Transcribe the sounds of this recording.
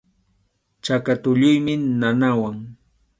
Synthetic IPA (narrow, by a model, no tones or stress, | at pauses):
t͡ʃakat̪ʊʎʊjmɪnanawaŋ